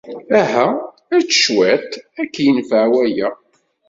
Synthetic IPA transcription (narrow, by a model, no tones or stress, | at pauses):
æɦæ | æɾt͡sːə̥ʃwæt̪ækːjənfəʕwæjæ